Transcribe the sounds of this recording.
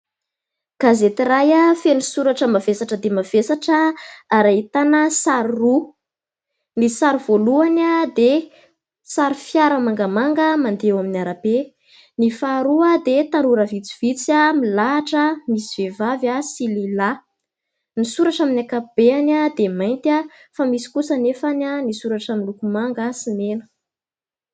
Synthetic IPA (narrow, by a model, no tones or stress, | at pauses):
ɡ̥azet̪irajafenisuɾaʈ͡ʂəmavesaʈ͡ʂəd̪emav̥esaʈ͡ʂəːɾait̪anəsaɾru | nisaɾuv̥oluanad̪e | saɾifjaɾəmaŋɡamaŋɡəmand̪ewaminaɾabe | nifaɾuad̪et̪anuɾəvit͡si̥v̥it͡samilaʈ͡ʂəmisiv̥evavasilila | nisuɾaʈ͡ʂaminakab̥eanad̪emajnt̪a | famisi̥kusənefananisuɾaʈ͡ʂaminlukumaŋɡəsinenə̥